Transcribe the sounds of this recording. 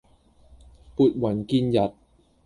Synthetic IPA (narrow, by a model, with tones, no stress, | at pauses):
pu˨˩t̪̚wa˩˦nki˧nja˨˩t̪̚